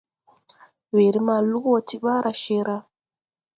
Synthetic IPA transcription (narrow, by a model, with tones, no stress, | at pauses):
we˨ɾi˦ma˨lu˦kwo˦ti˦ɓa˦ɾʔa˨ʃe˦ɾa˦